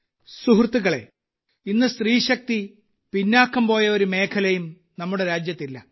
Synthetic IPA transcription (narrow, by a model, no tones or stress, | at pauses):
suɦrt̪ːuɣɐɭe̞̰ | inːɨst̪riːɕɐk̚t̪i | pinːaːkːɐmpo̞ːjɐo̞ɾume̞ːkʰɐlɐjum | nɐmːuɽe̞ɾaːd͡ʑjɐt̪ːilːɐ